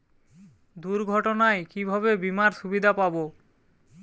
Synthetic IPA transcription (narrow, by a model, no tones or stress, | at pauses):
d̪uɾɡʱɔʈonaekibʱabebimaɾʃubid̪ʱapabo